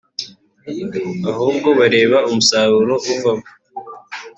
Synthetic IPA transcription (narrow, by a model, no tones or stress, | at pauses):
ahuːb̚ɡo̞βaɾe̞ːβaumusaːɾuɾo̞ʔuvaβu̥